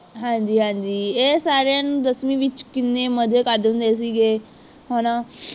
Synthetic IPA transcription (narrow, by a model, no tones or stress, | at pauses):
ɦɛ̃ːɲd͡ʒiːɦɛ̃ːɲd͡ʒiːeːsaːɾeãːnũːd̪əsmĩːʋɪt͡ʃkɪnːeːməd͡ʒeːkəɾd̪ɦʊ̃nd̪eːs̬iːɡeː | ɦoːnãː